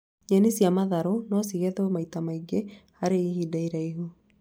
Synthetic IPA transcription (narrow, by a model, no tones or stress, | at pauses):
ɲɛnisiamaðaɾonɔsiɣɛðomaitamaiɡehaɾeihidaiɾaiɦu